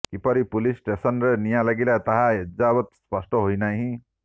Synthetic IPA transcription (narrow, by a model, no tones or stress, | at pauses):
kipʌɾipulisʈesʌnɾenijãlaɡilajt̪aɦãɦed͡zabʌt̪spʌsʈʌɦojnaɦĩ